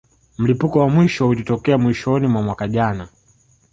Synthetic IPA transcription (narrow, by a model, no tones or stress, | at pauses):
m̩lipukɔwamwiʃɔhulitɔkɛamwiʃɔnimwamwakaʄana